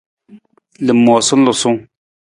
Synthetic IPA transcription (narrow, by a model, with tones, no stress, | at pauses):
lɨ˨mːɔ˨sʊ˦n̩˦lʊ˨sʊ˦ŋ